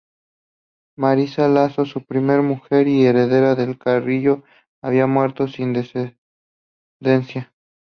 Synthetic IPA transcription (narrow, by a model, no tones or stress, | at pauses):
maɾisalasosupɾime̞ɾmuxe̞ɾie̞ɾe̞ðe̞ɾaðe̞lkariʝo̞ | aβ̞iamwe̞ɾt̪o̞sind̪es | d̪e̞nsja